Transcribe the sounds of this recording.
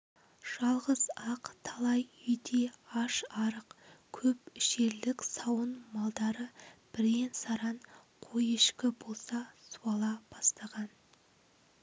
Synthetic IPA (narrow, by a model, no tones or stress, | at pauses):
ʒ̥ɑlˠʁəzɑqt̪ʰɑlˠɑjʏjd̪e̞ɑʃɑɾəqkʲʰɵpɪʃe̞ɾlɪksɑwənmɑlˠd̪ɑɾəb̥ɪɾensɑɾɑnqʰojeʃkʲɪbo̞lˠsɑsuɑlˠɑb̥ɑst̪ɑʁɑn